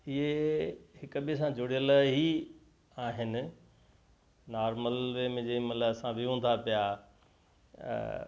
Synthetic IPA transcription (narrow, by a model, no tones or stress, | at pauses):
ɪɦehɪkʊbiəs̬ãd͡ʑʊɽijəlɦi | aːɦɪnɪ̆ | naːɾməlʋemẽd͡ʑɐ̃ĩmɐt̪ləbsãʋiɦũːn̆d̪ʰapija